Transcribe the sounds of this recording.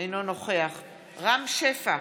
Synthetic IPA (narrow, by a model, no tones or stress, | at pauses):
jnono̞χeaχ | ʁamʃefa